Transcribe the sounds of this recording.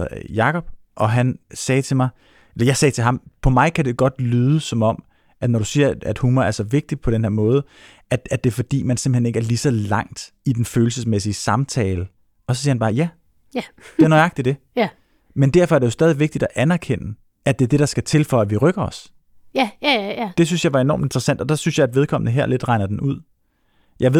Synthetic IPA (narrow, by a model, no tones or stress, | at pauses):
jɑ̈kʰɒ̽b̥̚ | ʔɒ̽ɦænsɛːt͡sʰe̝mɑ̈ɪ | elɐjɑ̈ɪsɛːt͡sʰe̝ɦɑ̈mpʰɒ̽mɑ̈ɪkʰæd̥e̝ɡ̥ɒ̽d̥lyːð̞ˠəsɒ̽mɒ̽m̰ | ʔæd̥nɒɾ̥usiɐæd̥huːmɐæɐsɒ̽ʋe̝ɡ̥̚d̥i̥pʰɒ̽ɾ̥enheɐmɔ̽ːð̞̩ˠ | ʔæd̥ædd̥e̝fɒ̽d̥ḭːmænsem̥̩hene̝ɡ̥æɐlisɒ̽lɑ̈ŋ̰d̥ | id̥enføːl̩səsmes̬iəsɑ̈mt͡sʰɛːlə | ɒ̽sɒsiːɐhænbɑ̈ːjæ | d̥eæɐnɒɪɑ̈ɡ̥̚d̥id̥e̝ | mend̥æɐfɒ̽æɐɾ̥ejo̝sdɛːð̞ˠiʋe̝ɡ̥̚d̥id̥ɒʔænæɐkʰen̰ə | ʔæd̥e̝æɐd̥e̝ɾɑ̈sɡ̥æt͡sʰe̝lfɒ̽æʋiʁœɡ̥ɐɒ̽s | d̥e̝synsjɑ̈ɪʋɑ̈e̝nɒ̰ːmd̥end̥ʁɐsæn̰d̥ɒ̽d̥ɑ̈synsjɑ̈ɪæd̥ʋe̝ð̞ˠkʰɒ̽m̰ənəɦeɐ̰le̝d̥ʁɑ̈ɪnɐd̥enʔuð̞̰ˠ | jʔɑ̈ɪe̝